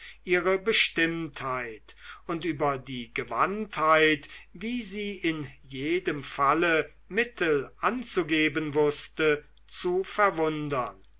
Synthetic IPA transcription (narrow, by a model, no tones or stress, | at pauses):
ʔiːʁəbəʃtɪmthaɪtʊntʔyːbɐdiːɡəva̰nthaɪtviːziːɪnjeːdəmfalə | mɪtʰəlʔant͡suɡeːbənvʊstə | t͡sufɛɐvʊndɐn